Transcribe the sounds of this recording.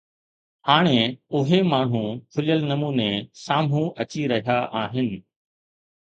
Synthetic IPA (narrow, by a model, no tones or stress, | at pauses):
haːɽ̃eʊɦemaːɳ̤ũkʰʊljəlnɐmuːnesaːm̤ũɐt͡ɕiɾɐɦijaʔaːɦɪnɪ̆